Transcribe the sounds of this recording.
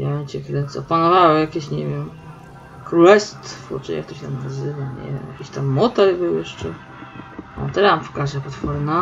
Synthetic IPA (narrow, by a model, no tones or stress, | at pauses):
jat͡ɕɛkɾɛnt̪sɔpanɔvawɛjakʲeɕɲɛvʲjɛm | kɾulɛst̪fɔ̰t͡ʂɛ̰ja̰kt̪ɔɕt̪amnazɘvaɲɛ̰vʲɛ̰mja̰kʲiɕt̪amːɔt̪ɛɾbɘwjɛʂt͡ʂɛ | mɔ̰t̪ɛɾampkazapat̪fɔɾna